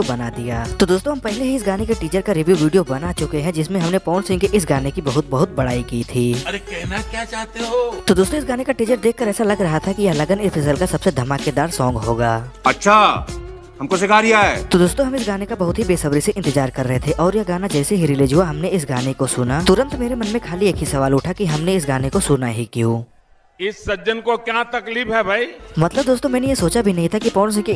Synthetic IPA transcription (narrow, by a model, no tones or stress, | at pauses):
bɐnad̪ijaːt̪od̪oːst̪õɦɐmpɛɦleɦiɪsɡaːnekeʈiːt͡ʃəɾkaɾɪʋjuʋiːɖijobɐnat͡ʃʊkeɦɛ̃d͡ʒɪsmẽɦɐmnepɔːɳsɪ̃ŋɡkeʔɪs̬ɡaːnekibɐɦʊt̪̚bɐɦʊt̪̚bɐɽaːikiːt̪ʰiːɐɾekɛɦnakjat͡ʃaːɦt̪eɦot̪od̪oːst̪õɪsɡaːnekaʈiːt͡ʃəɾd̪eːkʰkəɾɛːsalɐɡɾɐɦat̪ʰakijɐɦlɐɡənɪɾpʰɪs̬əlkasɐbsed̪ʱɐmaːked̪aːɾsɔ̃ːŋɡɦoːɡaːɐtːʃʰaː | ɦɐmkosekaːɾijaɛːt̪od̪oːst̪õɦɐmɪsɡaːnekabɐɦʊt̪ɦibeːsɐbɾiseʔɪ̃nt̪ɪd͡ʒaːɾkɐɾːɐɦet̪ʰeʔɔːɾjɐɡaːnad͡ʒɛːseɦiɾiled͡ʒuaɦɐmneɪs̬ɡaːnekosʊnaʊɾə̃nt̪meːɾemɐnmẽkʰaːlieːkʰɦisɐʋaːlʊʈʰakiɦɐmneɪs̬ɡaːnekosʊnaɦikijũː | ɪsːɐd͡ʒənkokjat̪ɐkliːpɦɛbʱaimɐt̪ləb̚d̪oːst̪õmɛːnejesoːt͡ʃabʱinɐɦĩt̪ʰakipɔːns̬eki